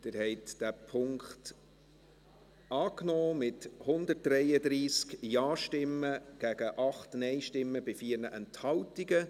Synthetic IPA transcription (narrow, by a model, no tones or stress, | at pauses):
d̥̪ɪɾhɛɪt̪d̥æpʰʊŋkχt | ɑːknɔːmɪthʊnd̪ət̚d̥ɾɛɪədɾiːskjɑːʃtɪməɡ̥æɡ̥əʔɑχtnɛɪʃtɪmːəbɪfiːəɾnəʔɛnthɑltiɡə